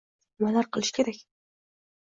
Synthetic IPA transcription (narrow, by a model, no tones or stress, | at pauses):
malaɾqʰɨlˠɪʃkʲʰe̞ɾakʲ